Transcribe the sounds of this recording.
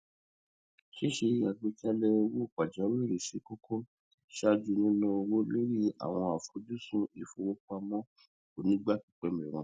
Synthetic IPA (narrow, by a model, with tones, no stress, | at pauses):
ʃe˦ʃe˧˦a˨ɡ͡be˦t͡ʃa˦lɛ˦˧wo˦˨k͡pa˨d͡ʒa˨˦we˦˨ɾe˨ʃi˨˦ko˦kʰo˦ | ʃa˦˧d͡ʒu˧nĩ˦nũ˦o˧wo˦le˦ɾi˦a̰˨w̃ɔ̃˧a˨fu˨˦du˦sũ˦i˨fũ˨˦wo˦ka˧mɔ̃˦ | o˨nĩ˦ɡ͡ba˦˨ki˨k͡pɛ˧˦me˨ɾɛ˨w̃ɔ̃˨˧˦